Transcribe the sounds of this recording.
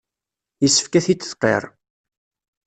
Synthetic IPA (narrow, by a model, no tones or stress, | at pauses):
jəsːə̥fkæθit͡sːə̥θqːḛɾˤ